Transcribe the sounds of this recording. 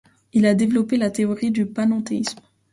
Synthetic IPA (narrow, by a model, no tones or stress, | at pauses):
ilad̪evlɔpelat̪eɔʁid̪ypanɔ̃t̪eism